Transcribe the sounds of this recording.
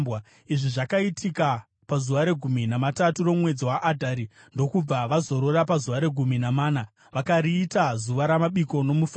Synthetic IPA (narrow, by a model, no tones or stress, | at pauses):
a | iʐiʐakaitʰika | pazuʋaɾe̞ɡʱuminamataturo̞mwe̞d͡ziwaʔadʱaɾi | ndo̞kub͡vaʋazo̞ɾoɾapazuʋaɾe̞ɡʱuminamaːna | ʋakaɾiːtazuʋaɾamaɓiko̞no̞muf